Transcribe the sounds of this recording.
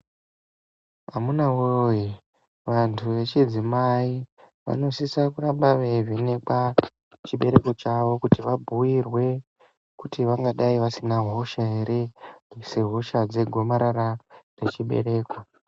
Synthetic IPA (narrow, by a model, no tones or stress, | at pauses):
amunawoji | ʋantʰuʋe̞t͡ʃid͡zimai | ʋa̰no̞sisakuɾambaʋevinekwa | t͡ʃiɓe̞ɾe̞ko̞t͡ʃaʋo̞kutiʋabʱuirwe̞ | kutiʋaŋɡaɗaiʋasinaɦo̞ʃaɦeɾe̞seɦo̞ʃad͡ze̞ɡʱo̞maɾarare̞t͡ʃiɓe̞̰ɾe̞ːko